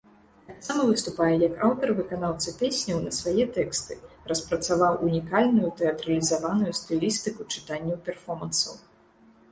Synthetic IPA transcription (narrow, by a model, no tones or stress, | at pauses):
t̪aksamɐvɨst̪upajɛjɐkawt̪ɐrvɨkanawt̪sɐpʲesʲnʲɐwnɐsvajɛt̪ɛkst̪ɨrɐspɾɐt̪savawʔunʲikalʲnujut̪ɛɐt̪ɾɐlʲizavanujust̪ɨlʲist̪ɨkut͡ʂɨ̥t̪anʲːɐwpʲɛrfɔmɐnsɐw